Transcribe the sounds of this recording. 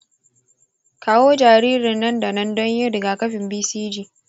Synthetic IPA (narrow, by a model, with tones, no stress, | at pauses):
kaː˦woː˦d͡ʒaː˨ɾiː˦ɾɪ˨nːɐ˦nda˨nɐ˦ndɔ˦ɲjɪ˦ɾɪ˨ɡa˨kɐ˦ɸɪ˨mbiː˦siː˦d͡ʒiː˦˨